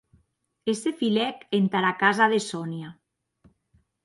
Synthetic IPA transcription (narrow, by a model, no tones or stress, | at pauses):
esefilɛkent̪aɾakazaðesɔnja